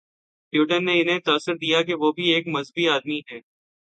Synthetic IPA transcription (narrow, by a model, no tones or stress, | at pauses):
ʈjuːʈənːeɪnɦẽt̪aːsːɪɾd̪ijak̬eʋoːbʱieːkmɐzbiaːd̪miɦɛː